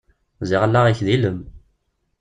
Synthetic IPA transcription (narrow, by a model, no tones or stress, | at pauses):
zɪʁəlːaʁiçðiləm